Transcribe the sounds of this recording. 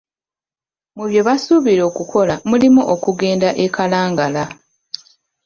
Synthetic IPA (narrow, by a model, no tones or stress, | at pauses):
muβjo̞βasuβiɾo̞ːkukʰo̞lamulimuʔokuɡe̞ːndaʔekalaːŋɡala